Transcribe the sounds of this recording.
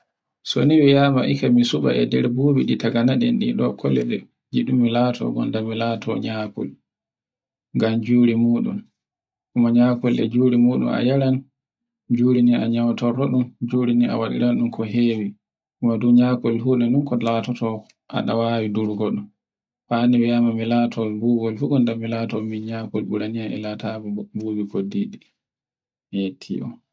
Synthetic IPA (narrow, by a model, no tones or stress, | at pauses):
so̰niwijaːmaʔikamisuɓa̰ʔɛdɛɾboːbiɗitaɡanaɗɛnɗḭɗɔkʰɔlɛ̰ɗɛ | d͡ʒiɗumːilaːtʰɔ̰ɡɔ̰ndamilaːtɔ̰ɲakɔ̰l | ŋɡamd͡ʒuːɾimuːɗṵm | kumaɲakɔlɛ̰d͡ʒuːɾimuːɗṵna̰jaɾan | d͡ʒuːɾiniaɲawtɔɾɔɗumd͡ʒuːɾinia̰waɗḭɾanɗumkɔɦewi | kumaduɲakɔlɦuɗɛnɗunkɔlatɔtɔ | a̰ɗa̰waːwiduɾɡɔɗum | faniwiamamilaːtʰɔbuɡɔlfuɗundamilaːtɔminɲakɔlɓuɾanijaɛ̰latabɔbuɡikodiɗi | jetʰːḭʔɔ̰